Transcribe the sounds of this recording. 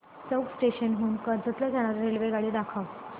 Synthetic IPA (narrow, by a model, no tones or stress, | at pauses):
t͡səwɡsʈeɕənɦuːnkəɾd͡zət̪laɡʱaɽ̃aɾɾelʋeɡaɽiːd̪akʰaʋ